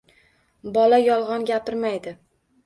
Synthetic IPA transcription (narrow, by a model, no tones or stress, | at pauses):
bɒlajɒlˠʁɒnɡʲapɪɾmajd̪ɪ